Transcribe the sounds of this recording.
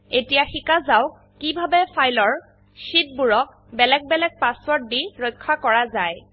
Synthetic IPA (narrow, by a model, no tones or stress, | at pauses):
etijaxikazaw | kibʱabɛpʰajlɔɹ | ʃit̚buɹɔk̚ | bɛlɛɡ̚bɛlɛk̚paswɔɹt̚diɹɔjkʰːakɔɹazaj